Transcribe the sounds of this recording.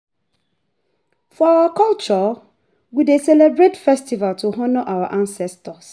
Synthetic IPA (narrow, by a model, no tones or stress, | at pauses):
fɔawakɔlt͡ʃɔ | widesɛlebɹetfɛstivaltʰuɦɔnɔʔawaʔãnsɛstɔs